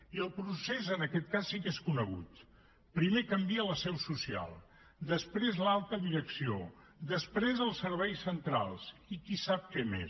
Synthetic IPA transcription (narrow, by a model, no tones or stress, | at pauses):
iəlˠpɾusezənəkɛt̪̚kasːikeskunəɣ̞ṵt̪ | pɾimekəmbiələsɛwsusia̰lˠ | d̪əspɾezlalˠt̪əðiɾəksio | d̪əspɾezəlˠsəɾβ̞ɛjsːənt̪ɾa̰lˠzikisap̚kɛmḛ